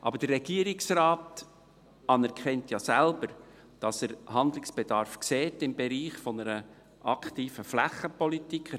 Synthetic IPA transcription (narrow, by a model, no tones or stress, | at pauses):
ʔɑ̰bəɾd̥ərːɛɡ̥iəɾɪksraːt | ɑnɛɾkʰɛntjɑsælbəɾ | d̥ɑsəɾhɑnd̪lɪksb̥ed̥ɑɾfkseːtɪmbeɾiːχfɔnəɾə | ʔɑkχtiːfəflæχəpɔlitikχə